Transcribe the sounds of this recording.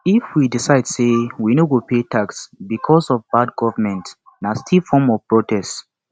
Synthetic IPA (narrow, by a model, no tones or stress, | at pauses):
ifwidisaɪdsewinowopʰetaksbikʰɔsɔvbad̚ɡɔvəmɛ̃nt | nastʰilfɔmɔv̥pɹotʰɛst